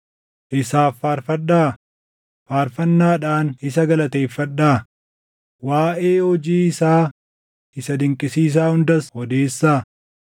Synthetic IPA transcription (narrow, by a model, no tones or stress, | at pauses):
ʔɪsaːfːaːɾfɐᶑaː | faːɾfɐnːaːᶑaːnɪsɐɡɐlɐt̪e̞ːfːɐᶑːaː | waːʔeːhɔd͡ʒiːɪsaː | ɪsɐd̪ɪŋkʼɪsiːs̬aːhʊnd̪ɐshɔd̪eːsːaː